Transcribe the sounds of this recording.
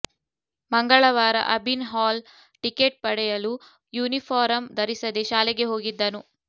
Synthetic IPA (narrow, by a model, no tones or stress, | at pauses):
mɐŋɡɐɭɐʋaːɾɐ̰ʔɐbinɦaːl | ʈikeʈ̚pɐɽɛjɐlu | juːnipʰaːɾɐmd̪ʱɐɾisɐd̪eʃaːlɛɡeɦo̞ːɡid̪ːɐnu